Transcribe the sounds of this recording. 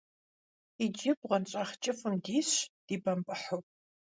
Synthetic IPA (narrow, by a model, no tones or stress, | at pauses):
id͡ʒɪbʁɐnt͡ʃʼaːχt͡ʃʼɪfɨmdiːɕd̥iːbɐmpʼɨħʊp